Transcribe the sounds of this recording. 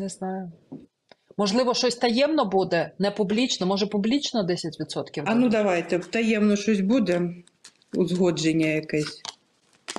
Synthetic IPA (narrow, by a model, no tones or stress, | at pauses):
nɛznajʊ | mɔʐlˠɪʋɔʃɔsʲt̪ɐjɛmnɔbud̪ɛnɛpublʲit͡ʃnɔmɔʐɛpublʲit͡ʃnɔd̪ɛsʲɐtʲʋʲid̪sɔt̪kʲiwɐnud̪ɐʋajt̪ɛt̪ajɛmnɔʂɔsʲbud̪ɛ | uzɣɔd͡ʒenʲːɐjakɛsʲ